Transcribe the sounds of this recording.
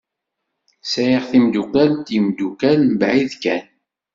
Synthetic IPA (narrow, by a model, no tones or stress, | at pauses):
sæjiʁθimd̪ukælt̪jəmd̪ukælmbʕiðkæn